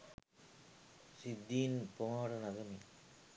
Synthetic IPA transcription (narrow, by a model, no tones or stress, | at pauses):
sɪd̪ːiːnpoːɾɐnɐɣɐmi